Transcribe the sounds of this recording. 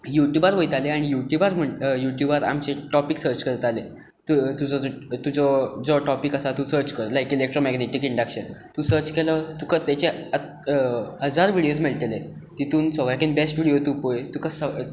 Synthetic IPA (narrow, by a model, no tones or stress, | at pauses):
juʈjubaɾʋojt̪aleaɽ̃ijuʈjubaɾm̤əɳjuʈjubaɾa̰mt͡ɕeʈɔpiksəɾt͡ɕkəɾt̪ale | t̪ut̪ud͡zɔɔt̪ud͡zɔd͡zɔʈɔpikəsat̪ũsəɾt͡ɕkəɾlajkilek̚ʈɾɔmɛɡneʈikiɳɖakɕənt̪ũsəɾt͡ɕkelət̪ukət̪ɛt͡ɕeə | ɦəd͡zaɾʋiɽijos̬meɭʈ̪elet̪it̪uːnsɔɡɾakʰenbesʈʋiɽijot̪upojt̪ukəsə